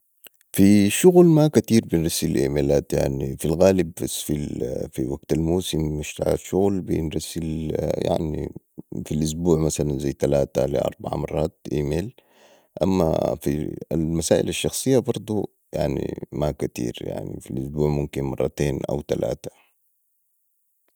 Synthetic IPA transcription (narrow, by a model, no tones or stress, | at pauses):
fiʃʊɣlmakat̪iːɾbinɾasilʔḭːmeːlaːt̪ja̰ʕnifilɣaːlibːasfifiwaɡt̪almuːsimːɪʃt̪a̰ʕa̰ʃʊɣlbinɾasːilja̰ʕnḭ | filʔʊs̬buːʕmasalanzajːt̪alaːt̪alḭʔɑ̰ɾˤbaʕa̰mɑrˤːɑːt̪̚ʔiːmeːl | ʔamːa̰fḭalmasaːʔilaʃːɑxsˤɨjːabɑɾˤd̪ˤu | ja̰ʕnḭmakat̪ḭːɾja̰ʕnḭfilʔʊsbuːʕmumkinmɑ̰rˤːɑt̪eːnʔa̰wt̪ala̰ːt̪ḁ